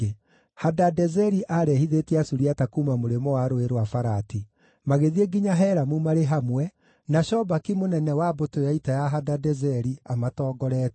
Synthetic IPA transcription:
hadadɛzɛɾiʔaɾɛhiðetɛasuɾiatakumamoɾemɔwaɾoeɾwafaɾati | maɣeðieɡiɲaɦɛɾamumaɾeɦamwɛ | naʃɔbakimonɛnɛwabotojaitajaɦadadɛzɛɾiamatɔːɡɔɾɛt

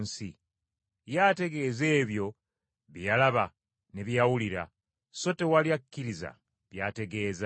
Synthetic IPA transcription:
nsi | jate̞ɡe̞ːze̞ːβjo̞ | βjjalaβa | neβjawuliɾa̰ | so̞te̞waljakʲːiɾiza̰ | βjate̞ɡe̞ːza

